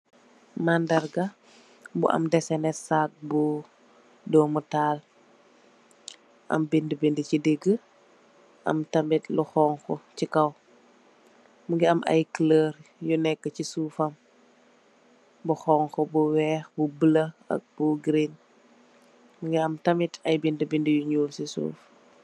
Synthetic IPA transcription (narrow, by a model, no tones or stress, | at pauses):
mandɐɾɡɐ | bṵʔɐ̰mdɛsɛnɛsak̚bu | dɔːmutaːl | ʔɐ̰mbindəbindəcideɡːə | ʔɐ̰mtɐmbitluxɔːŋxɔcikɐw | muŋɡiɐmʔɐ̰jkləːɾjunɛkːəcisuːfɐm | buxɔːŋxɔbuwɛːxbubələɐ̰k̚buɡɾin | muŋɡiɐmtɐmitɐjbindəbindəjuɲuːlsisṵːf